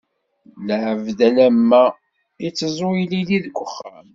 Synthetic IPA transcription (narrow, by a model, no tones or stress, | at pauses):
ləʕəvdælæmːæ | it͡sːzˤojliliðkʷːəχːa̰m